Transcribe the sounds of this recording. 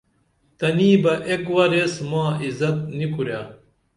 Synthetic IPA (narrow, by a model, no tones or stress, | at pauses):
t̪ɐniːbɐʔekwɐɾesmãːizɐt̪̚nikuɾjaː